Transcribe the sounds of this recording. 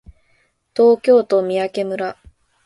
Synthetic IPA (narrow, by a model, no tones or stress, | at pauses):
t̪o̞ːkʲo̞ːt̪o̞mʲiake̞mɯ̟ɾa